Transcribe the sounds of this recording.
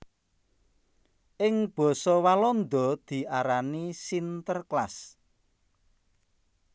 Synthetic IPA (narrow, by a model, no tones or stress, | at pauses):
ʔɪŋb̥ɔ̤sɔwalɔnd̪ɔ̤d̪̥i̤ʔaɾanisint̪ərklas